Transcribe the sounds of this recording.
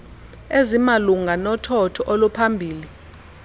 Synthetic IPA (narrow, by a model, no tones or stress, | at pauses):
ezimaluŋanɔtʰɔtʰɔʔɔlupʰambʱiːli